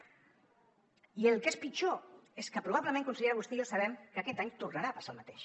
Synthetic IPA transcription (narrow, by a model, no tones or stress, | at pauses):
iəlˠkespit͡ʃoeskəpɾuβ̞aβləmẽŋkunsiʎeɾaɣust̪iəsəβɛmkəkɛt̪aɲt̪urnəɾaəpḁsalˠmət̪eʃ